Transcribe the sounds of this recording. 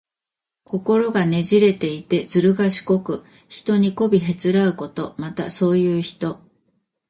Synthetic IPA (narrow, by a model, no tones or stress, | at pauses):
ko̞ko̞ɾo̞ɡane̞ʑiɾe̞t̪e̞it̪e̞d͡zɨɾɯ̟ɡaɕi̥ko̞kɯ̟ | çi̥t̪o̞ɲ̟iko̞bʲiɦe̞t͡sɨɾaɯ̟ko̞t̪o̞mat̪aso̞ːjɯ̟ːçi̥t̪o̞